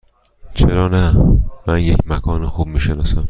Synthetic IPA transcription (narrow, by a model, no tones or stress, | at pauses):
t͡ʃʰeɾɒːnæmænjecʰmækʰɒːnixuːb̥̚miːʃenɒːsæm